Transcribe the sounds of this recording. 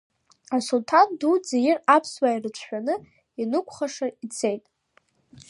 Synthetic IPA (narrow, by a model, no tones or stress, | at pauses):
asultʰandud͡zejɪrapʰswairɨt͡ɕʷʰħʷᶣanɨ | inɨkʷʰʼχaʂait͡sʰe̞jtʼ